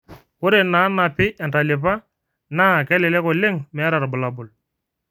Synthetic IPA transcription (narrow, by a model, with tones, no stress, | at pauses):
kʊ˦ɾe˨na˨˦na˨pɪ˦ʔɛ˨nta˨lɪ˨p̬a˦ | na˦˨kɛ˦lɛ˨lɛ˦kɔ˨lɪ˦ŋmɛ˨˦ɾa˨ɾbʊ˨la˨bʊ˨l